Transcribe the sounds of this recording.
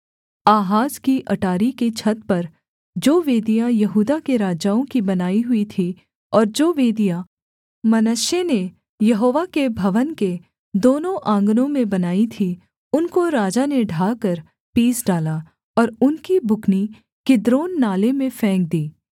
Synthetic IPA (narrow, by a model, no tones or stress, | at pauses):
aːɦaːzkiʔɐʈaːɾiket͡ʃʰɐt̪pɐɾ | d͡ʒoːʋeːd̪ijajɐɦuːd̪akeɾaːd͡ʒaːõkibɐnaːiɦʊit̪ʰi | ɔːɾd͡ʒoːʋeːd̪ija | mɐnəʃene | jɐɦoːʋakebʱɐʋənke | d̪oːnõʔãːŋɡnõmẽbɐnaːit̪ʰi | ʊnkoɾaːd͡ʒaneɖʱaːkəɾ | piːsɖaːla | ɔːɾʊnkibʱʊkni | kɪd̪ɾoːnːaːlemẽfɛ̃ːk̚d̪iː